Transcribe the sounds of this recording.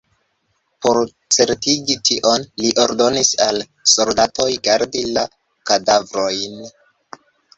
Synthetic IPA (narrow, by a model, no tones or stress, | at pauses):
po̞ɾ | t͡se̞ɾtiɡitʰiʔo̞nliʔo̞ɾdo̞nisal | so̞ldatʰo̞jɡaɾdila | kadavɾo̞jn